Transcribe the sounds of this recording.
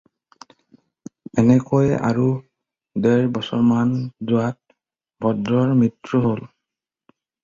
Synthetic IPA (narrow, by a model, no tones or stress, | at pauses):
ɛnɛkojɛʔa̰ɹu | dɛɹbɔsɔɹmanzʊat̚ | bʱɔdɹɔɹmɹitɹuɦol